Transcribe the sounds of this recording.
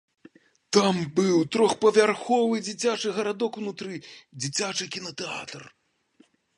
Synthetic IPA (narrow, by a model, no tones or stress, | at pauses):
t̪ambɨwt̪ɾɔxpɐvʲarxɔvɨd͡zʲit͡sʲat͡ʂɨɣɐɾad̪ɔkunut̪ɾɨd͡zʲit͡sʲat͡ʂɨkʲinɐt̪ɛa̰t̪r